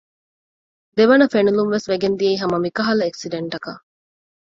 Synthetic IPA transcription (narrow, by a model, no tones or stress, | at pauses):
d̪eʋɐnɐfenulumʋesʋeɡend̪ieiɦɐmɐmikɐɦɐlɐeksiɖeɳʈɐkɐ